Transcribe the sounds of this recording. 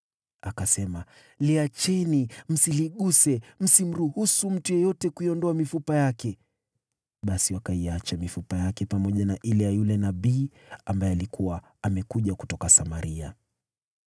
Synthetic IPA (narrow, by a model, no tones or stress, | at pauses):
akasɛma | liat͡ʃɛnim̩siliɠusɛm̩sim̩ɾuhusum̩tujɔjɔtɛkuiɔndɔamifupajakɛ | ɓasiwakaiat͡ʃamifupajakɛpamɔʄanaʔilɛjajulɛnaɓiː | ambajɛalikuwa | amɛkuʄaku̥tɔkasamaɾia̰